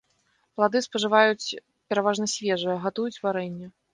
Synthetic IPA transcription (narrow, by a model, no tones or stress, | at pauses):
plˠad̪ɨspɐʐɨvajut͡sʲ | pʲɛɾavaʐnɐsʲvʲɛʐɨjɐɣat̪ujut͡sʲvaɾɛnʲːɐ